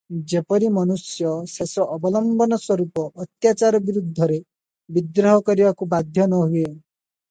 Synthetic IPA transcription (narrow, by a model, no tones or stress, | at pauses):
d͡ʒepɔɾimɔnusjɔsesɔʔːbɔlɔmbɔnɔswɔɾupɔʔːt̪jat͡ʃaɾɔbiɾud̪ʱːɔɾe | bid̪ɾɔɦɔkɔɾibakubad̪ʱjɔnɔɦue